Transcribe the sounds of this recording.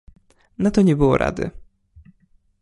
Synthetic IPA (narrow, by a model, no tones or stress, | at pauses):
nat̪ɔɲɛbɘwɔ̰ɾʔa̰d̪ɘ̰